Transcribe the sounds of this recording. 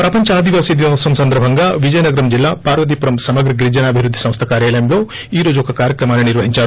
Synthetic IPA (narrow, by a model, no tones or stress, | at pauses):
pɾɐpɐɲt͡ʃɐaːd̪iʋaːsid̪ʋɐsɐmsɐnd̪ɐɾbʱɐŋɡaːʋid͡ʒɐjɐnɐɡɐɾɐmd͡ʒilːaːpaːɾʋɐd̪iːpuɾɐmsɐmɐɡɾɐɡɾid͡ʒɐnaːbʱiʋɾud̪ːi̥sɐ̃mst̪ʰɐkaːɾjaːlɐjɐmlo̞ː | iːɾo̞ːd͡ʒuɔkɐkaːɾjɐkɾɐmaːniniɾʋɐɦiɲt͡ʃaːɾu